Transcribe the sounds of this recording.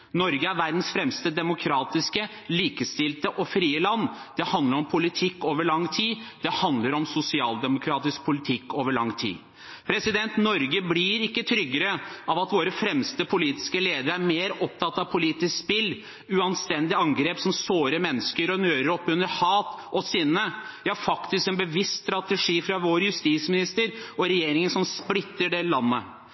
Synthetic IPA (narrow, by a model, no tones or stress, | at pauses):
nɔɾɡəæɾʋæɾd̪n̩sfɾɛmst̪əd̪ɛmʊkʰɾɑːt̪ɪskə | liːkəst̪ɪlt̪əʔɔfɾiːəlɑnːd̪̥ɛhɑnd̪ləɾɔmpʰʊlɪt̪ʰɪkːoːʋəɭɑŋːt̪ʰiːd̪̥ɛhɑnd̪ləɾɔmsʊsɪɑːld̪ɛmʊkʰɾɑːt̪ɪsk̚pʰʊlɪt̪ʰɪkːoːʋəɭɑŋt̪ʰḭː | pʰɾɛsɪd̪ɛnt̪nɔɾɡəblɪɾɪkːət̪ʰɾʏɡːəɾəʔɑʋɑt̪ʋoːɾəfɾɛmst̪əpʰʊliːt̪ɪ̥skəleːd̪əɾæɾmeːɾɔp̚t̪ʰɑt̪ːɑʋpʰʊliːt̪ɪskspɪlː | ʉɑnst̪ɛnd̪ɪɑŋɡɾeːpsɔmsoːɾəmɛnːəskəɾɔnøːɾəɾɔpːʉnəɾhɑːt̪ʔɔsɪnːəjæhæɾfɑkt̪ɪskɛnbəʋɪst̪st̪ɾɑt̪əʂiːfɾɑʋoːɾəjʉst̪iːsmɪnɪst̪əɾɔɾɛjeːɾɪŋənʂɔmsplɪt̪ːəɖɛlɑnːə